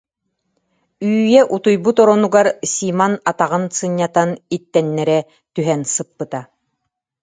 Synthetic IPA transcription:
yːjɛʔut̪ujbut̪ɔɾɔnuɡaɾsimanat̪aʁɯnsɯɲːat̪anit̪ːɛnːɛɾɛ | t̪yɦɛnsɯpːɯt̪a

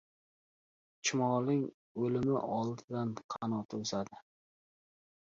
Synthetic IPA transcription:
t͡ʃʰɪmɒlɪŋ | ɵlɪmɪʔɒlˠd̪ɪd̪anqʰɑnɒt̪ʰɵsad̪ɪ

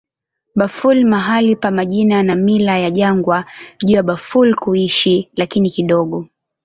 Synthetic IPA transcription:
ɓafulmaɦalipamaʄinanamilajaʄaŋɡwaʄuːjaɓafulkuiʃilakinikiɗɔɠɔ

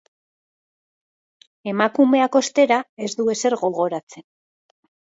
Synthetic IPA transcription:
e̞makume̞ako̞st̪e̞ɾae̞zd̪ue̞se̞ɾɣo̞ɣo̞ɾat͡se̞n

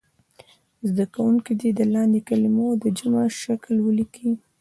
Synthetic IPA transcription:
zd̪akawuŋkid̪ed̪əlɑnd̪ekalimod̪əd͡ʒamaʃaklwəliki

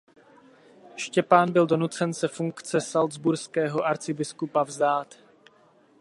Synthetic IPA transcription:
ʃcɛpaːnbɪldo̞nut͡sɛnsɛfuŋkt͡sɛsalzbuɾskɛːɦo̞ʔaɾt͡sɪbɪskupavzdaːt̪

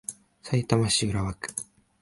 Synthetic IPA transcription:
sait̪amaɕiɯɾaβakɯ̟̥

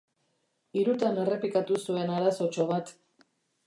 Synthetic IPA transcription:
iɾut̪ane̞re̞pikat̪usue̞naɾaso̞t͡ʃo̞βat̪

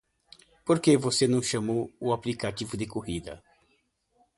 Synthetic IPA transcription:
poɾkevosenɐ̃w̃ʃɐ̃mowʊaplikativʊd̪ɪkohid̪ɐ̰

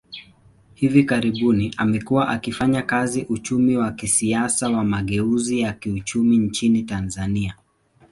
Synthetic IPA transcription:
hivikaɾiɓuniʔamɛkuwaʔakifaɲakaziʔut͡ʃumiwakisiasawamaɠɛuzijakiut͡ʃumint͡ʃinitanzania

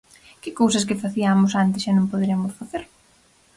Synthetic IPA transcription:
kɪkowsɐs̬kɪfaθiamʊsant̪ɪsanõmpoðeɾeamʊsfaθeɾ

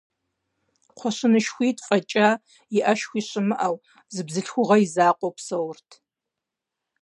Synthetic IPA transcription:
qʷʰɔɕɨnɨʃxʷiːtʼfʼɐt͡ʃʼa | jɪʔɐʃxʷiːɕʼɨmɨʔɐw | zɨbzɨɬxʷʊʁɐjizaːqʷʼɔwpsɐwʊrtʰ

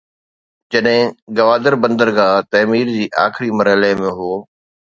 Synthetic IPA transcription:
d͡ʑɐɗɦɪ̃ɡɐʋaːd̪əɾbɐ̃nd̪əɾɡaːt̪ɐːmiːɾd͡ʑiːʔa̰ːxɪɾimɐɾɦɪlemẽɦoː

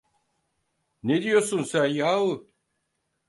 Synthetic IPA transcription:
ned̪ijoɾsunsænjaːvɯ

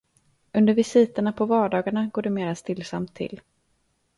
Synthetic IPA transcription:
ɵnd̪əɾvɪsiːt̪əɳapʰɔvɑːɖɑːɡaɳaɡoːɖɛmeːɾast̪ɪlːsa̰mt̪ʰːɪ̰lː

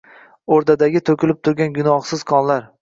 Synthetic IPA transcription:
oɾd̪ad̪aɡʲɪt̪ʰokʲɪlɪp̚t̪ʰʊɾɡʲanɡʊnɒχsɪz̥kʰɒnlaɾ

